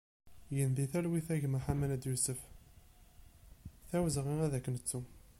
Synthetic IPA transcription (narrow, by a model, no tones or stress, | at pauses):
jənd̪iθælwiθæʝmaħamænæd̪jusəf | θæwzʁiʁæðækːənət͡sːu